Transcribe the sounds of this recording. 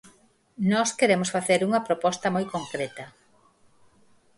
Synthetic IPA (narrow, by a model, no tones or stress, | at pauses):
nɔskeɾemosfaθeɾuŋɐpɾopɔst̪ɐmojkoŋkɾet̪ɐ